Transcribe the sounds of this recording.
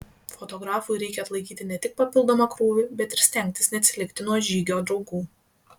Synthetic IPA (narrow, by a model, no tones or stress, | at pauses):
fɔt̪ɔɡɾɑːfʊjɾʲɛɪkʲɛɐt̪lˠɐɪkʲiːt̪ʲɪnʲɛt̪ʲɪk̚pɐpʲɪlˠd̪oːmɑkɾuːʋʲɪbʲɛt̪ɪɾsʲt̪ʲɛŋʲk̚ʲt̪ʲɪsnʲɛɐt̪sʲɪlʲɪkt̪ʲɪnuɔʒʲiːɡʲoːd̪ɾɒʊɡuː